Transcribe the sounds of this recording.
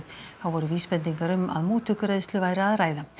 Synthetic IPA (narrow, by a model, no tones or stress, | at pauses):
θawvɔːɾʏviːspɛnt̪iŋkaɾʏma̰ðmuːt̪ʰʏkʏɾejðst̪lʏvaːjɾɪaðɾaːjða